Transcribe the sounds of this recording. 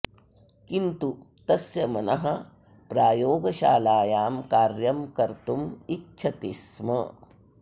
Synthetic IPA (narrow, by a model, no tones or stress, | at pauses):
kint̪u | t̪ɐsjɐmɐnɐɦɐ | pɾaːjoːɡɐʃaːlaːjaːmkaːɾjɐmkɐɾt̪umitːt͡ʃʰɐt̪ismɐ̰